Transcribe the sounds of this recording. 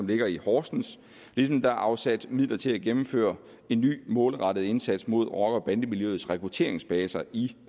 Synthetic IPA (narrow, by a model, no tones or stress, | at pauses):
ɒ̽mle̝ɡ̥ɐihɒːsn̩s | lisɒ̽md̥ɑ̈ʔɑ̈ʊsæd̥mið̰lɐt͡sʰe̝læɡ̥emm̩fø̰ːɐ | e̝nːy̰ːmɔ̽ːlʁɑ̈d̥əð̩ˠe̝nsæd̥smo̝ð̞̰ˠʁɒ̽ɡ̥ɒ̽b̥ænd̥əmiljøːð̩ˠsʁɛkʰʁut͡sʰe̝̰ɐ̰eŋsb̥ɛːsɐʔi